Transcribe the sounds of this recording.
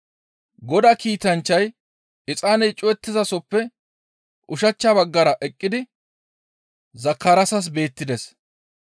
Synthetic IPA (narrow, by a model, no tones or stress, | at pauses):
ɡɔd̪ɐkiːt̪ɐnt͡ʃːɐj | ɪt͡sʼaːnɛjt͡ʃʼɔjɛt̪ːɪzɐsɔpːɛ | ʔʊʃɐt͡ʃːabɐɡːɐɾɐʔɛkʼːɪd̪ɪ | zɐkːɐɾɐsɐs̬be̞ːt̪ːɪd̪ɛs